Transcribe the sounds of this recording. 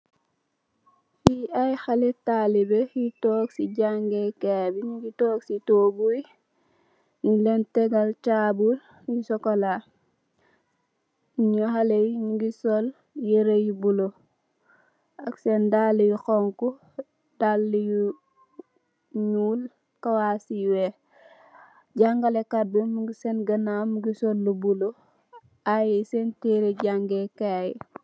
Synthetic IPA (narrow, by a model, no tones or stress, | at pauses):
jiajxaletalibejitoːksiɟaŋɡekebiɲiɡitoːksitobuj | nilenteɡalt͡ʃabul | jisɔkola | ɲohalejɲiɡisol | jeɾejibulo | aksendalːijuxoŋku | dalːiju | ɲuːl | kawaːsiwe | ɟaŋɡalekadumuɡisenɡɐnamuɡisolːubulo | ajisenteɾeɟaŋɡekaji